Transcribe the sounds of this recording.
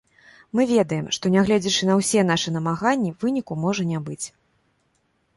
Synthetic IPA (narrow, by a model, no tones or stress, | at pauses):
mɨvʲɛd̪ɐjɛmʂt̪ɔnʲaɣlʲɛd͡zʲɛt͡ʂɨnɐwsʲɛn̪aʂɨn̪ɐmaɣanʲːivɨnʲikumɔʐɐnʲabɨt͡sʲ